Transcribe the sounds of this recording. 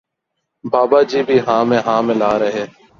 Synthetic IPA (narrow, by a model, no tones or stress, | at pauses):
baːbaːd͡ʒiːbʱiːɦãːmẽːɦãːmɪ̃laːɾəɦeː